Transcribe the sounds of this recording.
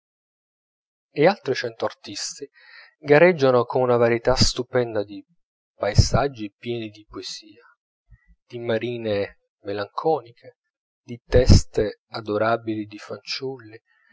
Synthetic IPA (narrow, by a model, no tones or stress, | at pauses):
ɪalt̪ɾit͡ʃɛnt̪oart̪ist̪i | ɡaɾɛd͡ʒːanokʰonunavaɾjet̪ast̪upɛnd̪ad̪i | paezad͡ʒːipjɛːnid̪ipoesiːa | d̪̥imaɾiːne | melaŋkʰɔːnikʰe | d̪it̪ɛst̪ead̪oɾaːbilid̪ifant͡ʃulːi